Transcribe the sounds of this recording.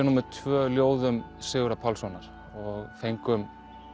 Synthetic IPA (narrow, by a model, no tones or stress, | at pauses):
ɛnumɪðt̪ʰvœːljoːwðʏm | sɪɣɾapʰawlsɔnaɾ̥ | ɔɣfejŋkʏm